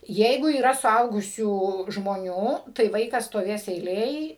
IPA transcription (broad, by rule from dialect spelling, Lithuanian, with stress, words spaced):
ˈjɛɪɡʊ iːˈrɐ sʊˈɐʊɡʊsʲuː ʒmoːˈnʲuː tɐɪ ˈʋɐɪkɐs stoːˈʋʲeːs ɛɪˈlʲeːj